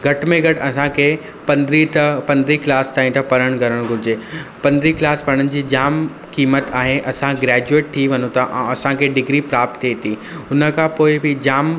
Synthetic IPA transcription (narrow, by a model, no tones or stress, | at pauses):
ɡʱɐʈmẽɡʱɐʈɐsãkʰe | pɐnd̪ɾit̪ɐpɐ̃nd̪ɾiklaːst̪aːĩt̪ɐpɐɾəɽ̃ɡʱɐɾəɽ̃ɡʱʊɾɪd͡ʑeːpɐ̃nd̪ɾiklaːspɐɾə̃ɽ̃ənɪ̆d͡ʑiːd͡ʑaːm | kiːmət̪aːɦeʔɐsãɡɾɛːd͡ʑueːʈ̚t̪ʰiʋɐnõt̪ʰaʔɐsãkʰeɖɪɡɾipɾaːp̚t̪ʰːet̪iː | ʊnə̆kʰãpoːɪbɪd͡ʑaːm